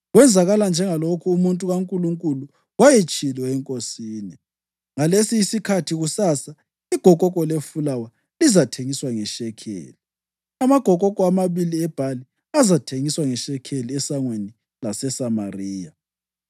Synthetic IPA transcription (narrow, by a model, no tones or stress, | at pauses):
ɣwɛnd͡zʱaɣaland͡ʒʱɛŋalokʰuːmuntʼuɣaŋkʼuluŋkʼulu | wajet͡ʃʼilwɛɛŋkʼosiːni | ŋalesiːsikʰatʰiɣusasa | iɡ̥ʱɔkʼɔkʼɔlefulawa | lizatʰeŋiswaŋɛʃɛkʰḛːli | amaɡ̥ʱɔkʼɔkʼɔamaβiliɛb̥ʱali | azatʰeŋiswaŋɛʃɛkʰeliɛsaŋweni | lasɛsamariːja